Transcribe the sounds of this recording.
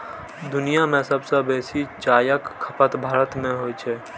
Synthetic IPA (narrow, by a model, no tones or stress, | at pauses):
d̪ʊnijamẽsəbsəbeːsit͡ʃaːjəkʰːəpət̪bʱaːɾət̪mẽɦoːt͡ʃʰe